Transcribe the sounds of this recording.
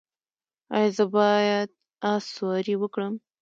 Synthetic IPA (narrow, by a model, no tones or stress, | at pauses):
ɑ̰jzəbɑjad̪̚ | ɑswɑɾiwəkɽəm